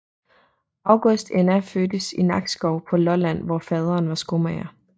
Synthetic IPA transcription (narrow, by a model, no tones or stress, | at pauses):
ɑ̈ʊɡ̥ɔsd̥enæføːd̥əsinɑ̈ɡ̥sɡ̥ɒʊ̰pʰɒ̽lɒ̽læn̰ʋɒfɛːðˠʁɐːnʋɑ̈sɡ̥omɛ̰ɐ